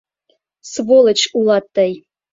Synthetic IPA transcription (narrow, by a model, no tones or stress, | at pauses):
svolˠə̆t͡ɕulˠɑt̪ːɑj